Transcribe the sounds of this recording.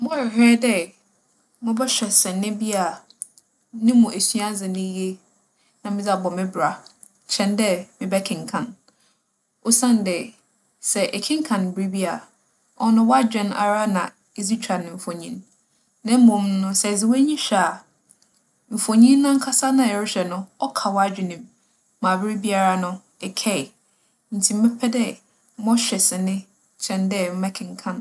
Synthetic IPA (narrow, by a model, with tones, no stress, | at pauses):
mɔ̃˦ɪ˨hɛ˦dɛ˦ | mʊ̃˦bɛ˦ɕᶣɛ˨sɛ̃˨nːɪ̃˦bi˦a˨ | nɪ̃˦mũ˨ʔæ˨sɥa˦d͡zɪ˨nɪ̃˦je˦ | nã˨mɪ̃˦d͡za˨bɔ˨mɪ̃˦bɾa˨ | t͡ɕʰɛ̃˨ndɛ˦mɪ̃˨bɛ˦kʰɪ̃˨ŋkʰã˨n | o˦sã˦n˨dɛ˨ | sɛ˨ʔɛ˨kʰɪ̃˦ŋ˦kʰã˨n˨bɾi˦bi˦a˨ | ɔ˦nʊ̃˦wa˦d͡ʑᶣɛ̃˨˦na̰˨ɾa˦nã˨ | e˦zi˦t͡ɕʰᶣɾa˨nɪ̃˨m̩˨fɔ̃˨ɲĩ˦n | nã˦m̩˦mʊ̃˨m˦nʊ̃˦sɛ˨zɪ˨wæ˦ɲĩ˦ɕᶣa˨ | m̩˨fo˨ɲĩ˦nːã˦ŋ̩˦kʰa˦sa˦nã˨ɛ˨ɾʊ˦ɕᶣɛ˨nʊ̃˦ɔ˦kʰa˨wɔ˦a˦d͡ʑᶣɪ˨nĩ˨m | mã˨bɪ˦ɾi˦bi˦a˨ɾa˨nʊ̃˦ | ɛ˨kʰɛ˦˨ | n̩˨tʰi˨m̩˦mɛ˦pʰɛ˦dɛ˦ | mɔ̃˦ɕᶣɛ˨sɪ˨nɪ̃˦ | t͡ɕʰɛ̃˦ndɛ˦˨m̩˦mɛ˦kʰɪ̃˨ŋ˨kʰã˦n